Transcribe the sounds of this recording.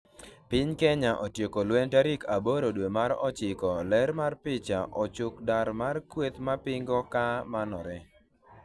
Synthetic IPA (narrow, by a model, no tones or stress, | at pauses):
pɪɲkɛɲaʔɔtjokolwɛntaɾikaboɾodwemaɾɔt͡ʃɪkɔlɛɾmarpɪt͡ʃaʔɔt͡ʃʊkdaɾmarkwet̪mapɪŋɡɔkamanɔɾɛ